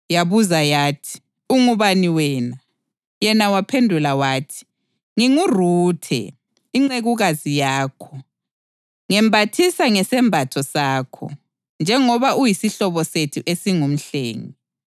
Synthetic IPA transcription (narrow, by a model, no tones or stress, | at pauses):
jaβuzajaːtʰi̥ | uŋuβaniwɛːna | jɛnawapʰendʱulawaːtʰi̥ | ŋiŋuruːtʰɛ̰ | iŋ͡ǀeɣuɣazijaːkʰɔ | ŋɛmbʱatʰisaŋɛsɛmbʱatʰɔsaːkʰɔ̰ | nd͡ʒʱɛŋɔβaʔujisiɬɔβɔsetʰuʔesiŋum̩ɬḛːŋi